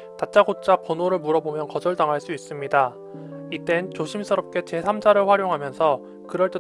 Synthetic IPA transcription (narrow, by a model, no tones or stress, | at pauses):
tat͡ɕ͈aɡot͡ɕ͈apʌnoɾɯɭmuɾʌbomjʌnkʌd͡ʑʌɭtaŋɦaɭs͈uis͈ɯmɲida | it͈e̞nt͡ɕoɕʰimsʰʌɾʌp̚k͈e̞t͡ɕe̞sʰamd͡ʑaɾɯɭɸwaɾjoŋɦamjʌnsʰʌ | kɯɾʌɭt͈e